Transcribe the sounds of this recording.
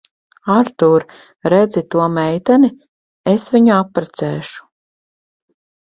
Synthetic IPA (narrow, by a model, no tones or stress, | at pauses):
aɾt̪uɾ | ɾɛd̪zit̪uɔmɛjt̪ani | esvʲiɲuapːɾɛt̪sɛːʃu̥